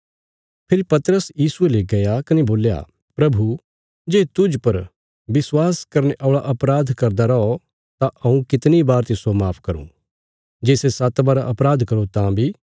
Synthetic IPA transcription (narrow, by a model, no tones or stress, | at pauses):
pʰɪɾipɐt̪əɾəsjiːsueleɡɐjakɐneboːlja̰ | pɾɐbʱu | d͡ʒeːt̪ʊd͡ʒpɐɾ | bɪswaːskɐɾneʔɔːɭaʔɐpɾaːd̪ʱkɐɾd̪aɾɐɔ | t̪aʔɐũkɪt̪nibaːɾt̪isomaːpʰkɐɾṵ̃ | d͡ʒeːsesat̪baːɾaʔɐpɾaːd̪ʱkɐɾut̪ãbʱiː